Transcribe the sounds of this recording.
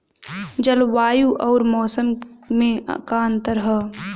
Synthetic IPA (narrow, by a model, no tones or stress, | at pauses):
d͡ʒəlʋaːjuʔɔːɾmɔːsəmmẽkaə̃nt̪əɾɦɛː